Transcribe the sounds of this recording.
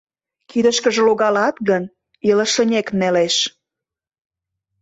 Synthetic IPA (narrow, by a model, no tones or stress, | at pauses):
kid̪ə̆ʃkə̆ʒĕloɣɑlɑt̪ɣən | ilə̆ʃə̆nʲekneleʃ